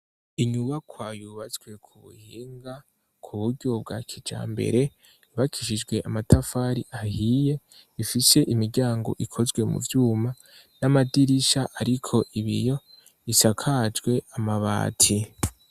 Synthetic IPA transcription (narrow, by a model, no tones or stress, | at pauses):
iɲuβakwaːjuβat͡swe̞kʰuβṵhiːŋɡa | kʰuβuɾɟo̞b̚ɡaːkʰid͡ʒa̰ːmbe̞̰ɾe̞ | iβakʰiʃid͡ʒɡwe̞ʔamatafaːɾiʔahije̞ | ifise̞ʔimiɾɟaːŋɡo̞̰ʔikʰo̞zɡwe̞mṵvjuːma | namadiɾiʃaʔaɾikʰo̞ʔiβḭjo̞ | isakʰad͡ʒɡwe̞amaβa̰ːtʰi